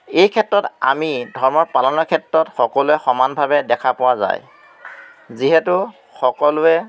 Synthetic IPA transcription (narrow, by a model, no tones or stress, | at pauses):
ejkʰɛtːɹɔta̰midʱɔɹmɔɹpalɔnɔkʰɛtɹɔtxɔkɔlʊɛxɔmanbʱabɛdɛkʰapʊwaza̰j | ziɦɛtʊ | xɔkɔlʊɛ